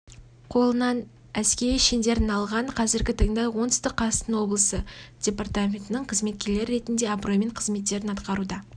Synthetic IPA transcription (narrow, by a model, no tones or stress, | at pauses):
qʰo̞lˠənɑn | æskʲe̞ɾijʃend̪e̞ɾɪnɑlˠʁɑɴqʰɑzɪɾɡʲɪt̪ʰɑɴd̪ɑjwo̞nt̪ʏ̥st̪ɪqʰːɑ̥t̪ənwo̞blˠəsəd̥ʲe̞part̪amʲe̞nt̪ənəɴqʰəzme̞t̪̚kʲe̞ɾle̞ɾɪɾe̞t̪ɪnd̪e̞ɑbro̞jme̞ɴqʰəzme̞t̪ːe̞ɾɪnɑt̪qɑɾud̪ɑ